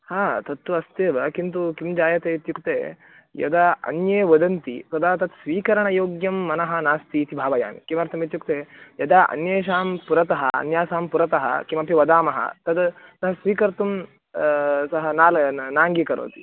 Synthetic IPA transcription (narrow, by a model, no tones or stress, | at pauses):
haːt̪ɐt̪ːuɐst̪eːʋɐkint̪̬ukimd͡ʒaːjɐt̪eːit̪jukt̪ḛː | jɐ̰d̪ɐɐ̰njeːʋɐd̪ɐnt̪ḭsɐd̪aːt̪ɐt̪sʋiːkɐɾɐɳɐjoːɡjɐmːɐnɐɦɐ̆naːst̪iːt̪ibʱaːʋɐja̰ːnkimɐɾt̪ʰɐmit̪̬juk̚t̪eːjɐd̪aʔɐ̰njeːʃ̬aːmpuɾɐt̪ɐɦɐ̰ɐ̰njaːsaːmpuɾɐt̪ɐɦɐ̰kimɐpiʋɐd̪aːmɐɦɐ̰t̪ɐd̪sɐɦɐsʋiːkɐɾt̪um | sɐɦɐnaːlnaːŋɡikɐɾo̰ːt̪ḭ